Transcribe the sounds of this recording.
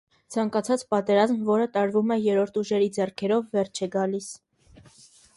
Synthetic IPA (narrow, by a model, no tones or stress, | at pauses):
t͡sʰɑŋkɑt͡sʰɑt͡spɑt̪ɛɾɑzmvɔɾət̪ɑɾvumɛjɛɾɔɾt̪ʰuʒɛɾid͡zɛrkʰɛɾɔvːɛrt͡ʃʰɛɡɑlis